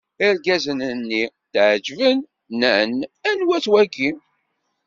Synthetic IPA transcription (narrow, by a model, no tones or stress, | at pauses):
iɾɡæzənənːi | t̪ʕd͡ʒvənː | ənænwæt͡swæɡi